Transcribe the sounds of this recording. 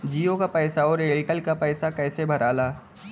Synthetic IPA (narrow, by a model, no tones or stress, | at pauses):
d͡ʒiːjokapɛːsaɔːɾeːlʈəlkapɛːsakɛːsebʱɐɾʔaːlaː